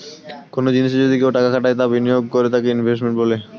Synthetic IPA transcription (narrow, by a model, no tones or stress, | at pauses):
konod͡ʑiniʃed͡ʑod̪ʱikewʈakakʰaʈajt̪abinijoɡ̚koɾet̪akeinbʱes̬ʈmeɳʈbole